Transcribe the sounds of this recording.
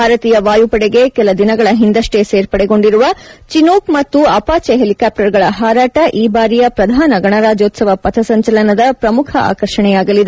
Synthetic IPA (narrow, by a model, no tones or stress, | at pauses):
bʱaːɾɐt̪iːjɐʋaːjupɐɽɛɡe̞kɛlɐd̪inɐɡɐɭɐɦind̪ɐʂʈe̞seːɾpɐɽɛɡo̞ɳɖiɾuʋɐt͡ʃinoːkmɐt̪ːuɐpaːt͡ʃeɦelikaːp̚ʈɐɾɡɐɭɐɦaːɾaːʈɐʔiːbaːɾijɐpɾɐd̪ʱaːnɐɡɐɳɐɾaːd͡ʒoːt̪sɐʋɐpɐt̪ʰɐsɐɲt͡ʃɐlɐnɐd̪ɐpɾɐmukʰɐʔa̰ːkɐɾʂɐɳɛjaːɡɐlid̪e